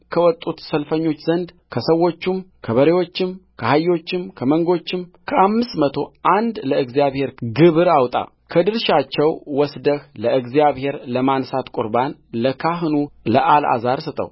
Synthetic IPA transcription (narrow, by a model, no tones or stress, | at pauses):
kʰəwɔt̪ʼːut̪səlfəɲːo̞t͡ʃːzənd̪ | kʰəsəwːo̞t͡ʃːumkʰəβəɾewo̞t͡ʃːɪmkʰəhajːo̞t͡ʃːɪmkʰəməŋɡo̞t͡ʃːɪmkʰəʔamːɨst̪mət̪ʰo̞ʔand̪ləɨɡzijaβhe̞ɾɡɨβɨɾawt̪ʼa̰ | kʰəd̪ɨɾʃat͡ʃːɛwwɔsd̪əhləɨɡzjaβhe̞ɾləmansat̪kʼuɾbanləkʰaɦɨnuləʔala̰zaɾsət̪ʼə̰w